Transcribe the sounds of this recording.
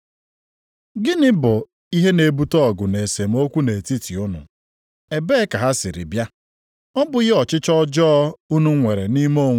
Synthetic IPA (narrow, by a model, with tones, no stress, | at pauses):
ɡɪ˦nɪ˦bʊ˨ | i˦ɦe˦ne˨bu˦tɔ˦ɔ˨ɡʊ˨ne˨se˨m̩˦o˦kʷu˦ne˨ti˦ti˨ʊ˦nʊ̰˨ | e˨be˦ka˨ɦa˦sɪ˨ɾɪ̰˨bja˦ | ɔ˦bʊ˨˦ɣɪ˦ɔ˨t͡ʃɪ˦t͡ʃɔ˦d͡ʒɔ˦u˦nu˦ŋʷe˨ɾe˨ni˦mo˦˨ŋ